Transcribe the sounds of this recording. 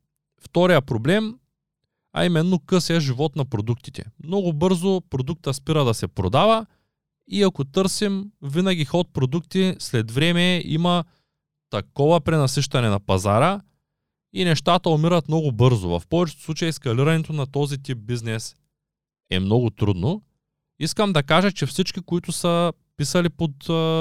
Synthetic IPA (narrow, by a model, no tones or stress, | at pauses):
ft̪ɔɾijəpɾoblɛm | ɐ̰imɛnːokɤsɛʒivɔt̪nɐpɾod̪ukt̪i̥t̪ɛ̰mnɔɡʊbɤɾzopɾod̪uk̚t̪əspiɾəd̪ɐsɛpɾod̪avɐ | iakot̪ɤɾsimvinɐɡʲixɔt̪̚pɾod̪ukt̪islɛd̪vɾɛmɛḭmɐ | t̪ɐkɔvɐpɾɛnɐsiʃt̪ɐnɛnɐpɐzaɾə | inɛʃt̪at̪əomiɾɐt̪mnɔɡʊbɤɾzo̰vɐ̰fpɔvɛt͡ʃɛt̪slˠut͡ʃɐjɛskɐliɾɐnɛt̪onɐt̪ɔzit̪ip̚biznɛs | ɛ̰mnɔɡʊt̪ɾṵd̪no | iskəmd̪ɐkaʒət͡ʃɛfsit͡ʃk̟ikoit̪ʊsə | pisɐlipot̪ː